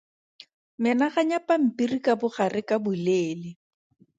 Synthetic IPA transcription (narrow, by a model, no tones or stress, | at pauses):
mɪnaχaɲapam̩pirikabʊχarʔɪkabʊleːlɪ